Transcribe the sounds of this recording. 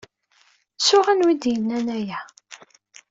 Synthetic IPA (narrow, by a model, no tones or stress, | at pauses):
sʊʁænwid̪jənːænæjæ